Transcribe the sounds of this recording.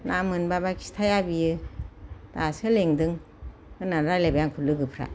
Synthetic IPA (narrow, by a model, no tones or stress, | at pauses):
nʔamɯnbabakʰi̥stʰajabijɯ | d̥asɯleŋdɯŋ | ɯnaɾalebajaŋkʰulɯɡɯpʰɾa̰